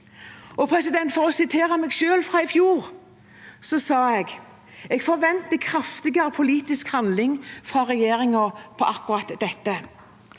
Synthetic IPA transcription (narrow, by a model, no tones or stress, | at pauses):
ɔpʰɾɛsɪd̪ɛnt̪fɔʁɔsɪt̪ʰeːʁəmɛːɡʃøːlfʁɑːɪfjuːʁ | sɔsɑːɛɡ | ɛɡfɔʁʋɛnt̪əkʰɾɑft̪ɪɡəɾəpʰʊliːt̪ɪskhɑnd̪lɪŋfʁɑʁɛjeːɾɪŋɔpʰɔʔɑkːʊʁɑt̪d̪ɛt̪ːə